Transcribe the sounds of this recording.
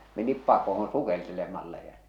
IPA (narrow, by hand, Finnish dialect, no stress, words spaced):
menip pɑkohon sukeltelemɑlːɑ jɑ